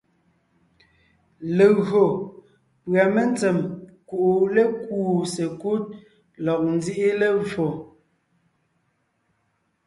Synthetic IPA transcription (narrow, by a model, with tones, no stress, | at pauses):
le˨ɣo˨ | pɰa˨me˦n˦t͡sɛ˨mku˨ʔu˨le˦kuː˦˨se˨ku˦t̚ | lɔ˨k̚n˦d͡zi˦ʔi˦le˦vo˨